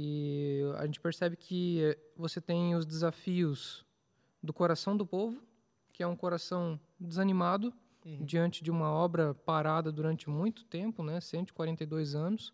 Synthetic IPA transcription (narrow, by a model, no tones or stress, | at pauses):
ɪa̰ʒẽnt͡ʃɪ̥peɾsɛbɪkʰɪvoset̪ẽj̃ʊzd̪ɪzafiʊs | d̪ʊkoɾasɐ̃w̃d̪ʊpovʊ | kɪɛũkoɾasɐ̃w̃ | d͡ʒ̪ɪzɐnimad̪ʊ | d͡ʒiɐ̃nt͡ʃɪd͡ʒɪũmɐɔbɾɐpaɾad̪ɐd̪uɾɐ̃nt͡ʃɪmũj̃t̪ʊ̥t̪ẽmpʊnɛsẽnt̪ʊɪ̥kwaɾẽnt̪ejd̪ojzɐ̃nʊs